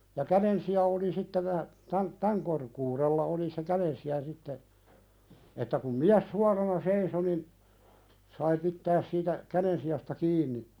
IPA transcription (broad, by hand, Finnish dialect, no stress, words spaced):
jɑ kæɾensiɑ oli sitːe ʋæ tæn tæŋ korkuːɾelːɑ oli se kæɾensiɑ sitːe etːæ kum miæs suɑrɑnɑ seiso nin sɑi pitːæːs siːtæ kæɾensiɑstɑ kiːnˑi